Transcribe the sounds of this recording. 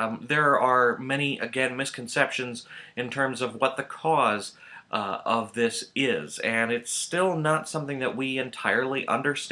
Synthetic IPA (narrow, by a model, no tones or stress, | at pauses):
ðə˞ə˞mɛñiʔɨɡɛ̃nmɪskʰn̩sɛpʃɨ̃nzɨ̃ntʰɜ̃˞mzʌvwʌt̪̚ðɨkʰɔz | ʌvðɪsɪzɨ̃nɪtstɪlˠnətsʌ̃mθɪ̃ŋðɨʔ̚wiɨ̃ntʰaɪə˞lˠiʔʌ̰̃ndə˞st